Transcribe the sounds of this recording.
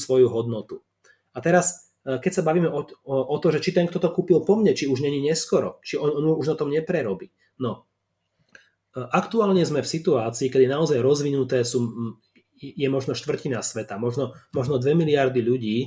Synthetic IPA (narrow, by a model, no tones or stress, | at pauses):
sʋɔjuɦɔd̪nɔt̪u | at̪ɛɾas | kɛcsabaʋiːmɛʔɔɔt̪ɔʒɛt͡ʃit̪ɛŋkt̪ɔt̪ɔkuːpilpɔmɲɛt͡ʃiuʒɲɛɲiɲɛskɔɾɔt͡ʃiɔnɔnuuʒnat̪ɔmɲɛpɾɛɾɔbiː | nɔ | ʔakt̪uaːlɲɛzmɛfsit̪uaːt͡siːkɛd̪inaɔzajɾɔzʋinut̪ɛːsuː | jɛmɔʒnɔʃt̪ʋr̩cinasʋɛt̪amɔʒnɔmɔʒnɔd̪ʋɛmiliaɾd̪iʎuɟiː